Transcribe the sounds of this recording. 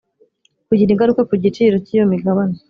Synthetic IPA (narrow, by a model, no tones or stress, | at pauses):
kuɟiniŋɡaɾukekuɟit͡ʃiɾocijo̞miɡaβane